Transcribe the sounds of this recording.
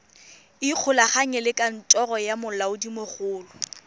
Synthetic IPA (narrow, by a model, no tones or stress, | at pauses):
ɪq͡χʰʊlaχaɲɛlɪkʼan̩tʼɔrɔjamʊlaʊdimoχʊːlʊ